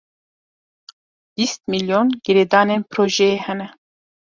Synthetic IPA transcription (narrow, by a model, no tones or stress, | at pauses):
b̥ist̪̚miljonɡ̥iɾeːd̪ɑːnenpɾoːʒɛjeːhɛnɛ